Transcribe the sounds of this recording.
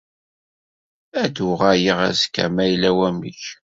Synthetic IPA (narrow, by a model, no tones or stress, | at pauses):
æd̪uʁajəʁæ̰zkːæ̰mæjlæwæmiç